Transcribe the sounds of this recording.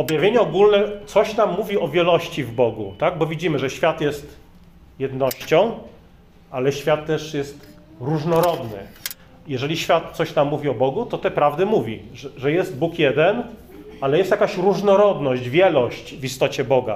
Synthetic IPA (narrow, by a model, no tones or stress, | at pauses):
ɔbjavʲjeɲɛɔɡulnɛt̪sɔɕnamːuvʲiɔvʲjɛlɔɕt͡ɕivbɔɡṵt̪aɡ̚bɔvʲid͡ʑimɘʐɛɕfʲjat̪jɛst̪ | jɛd̪nɔɕt͡ɕɔ̃w̃ | alɛɕfʲjat̪ːɛʂjɛst̪ | ɾuʐnɔɾɔd̪nɘ̰ | jɛʐɛlʲiɕfʲjat̪sɔɕt̪amːuvʲiɔbɔɡut̪ɔt̪ɛpɾavd̪ɘmuvʲiʐʐɛjɛst̪̚bukjɛd̪ɛn | alɛjɛst̪jakaɕɾuʐnɔɾɔd̪nɔɕd͡ʑvʲjɛlɔɕt͡ɕvist̪ɔt͡ɕɛbɔɡa̰